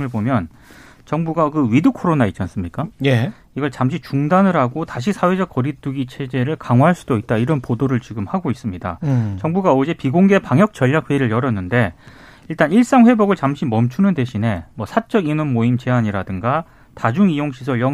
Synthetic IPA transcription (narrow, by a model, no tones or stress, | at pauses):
ɯɭbomjʌn | t͡ɕʌŋbuɡakɯɥidukʰoɾonait͡ɕ͈ans͈ɯmɲik͈aje | iɡʌɭt͡ɕamɕʰit͡ɕuŋdanɯɾɦaɡotaɕ̬ʰisʰawe̞d͡ʑʌk̚k͈ʌɾit͈uɡit͡ɕʰe̞d͡ʑe̞ɾɯɭkaŋwaɦaɭs͈udoit̚t͈aiɾʌnpodoɾɯɭt͡ɕiɡɯmhaɡois͈ɯmɲida̰t͡ɕʌŋbuɡaod͡ʑe̞piɡoŋɡepaŋjʌk̚t͡ɕ͈ʌʎːak̚ɸwe̞iɾɯɭjʌɾʌnːɯnde̞ | iɭt͈aniɭs͈aŋɸwe̞boɡɯɭt͡ɕamɕʰimʌmt͡ɕʰunɯnde̞ɕʰine̞mwʌsʰat͡ɕ͈ʌɡinɯnmoimt͡ɕe̞aɲiɾadɯŋɡa | tad͡ʑuŋijoŋɕʰis̬ʰʌɭjʌ